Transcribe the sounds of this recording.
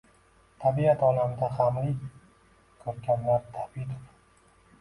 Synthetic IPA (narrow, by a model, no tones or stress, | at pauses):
t̪ʰabiat̪ʰɒlamd̪ahamlɪ | kʰɵɾɡʲanlaɾt̪ʰabit̪of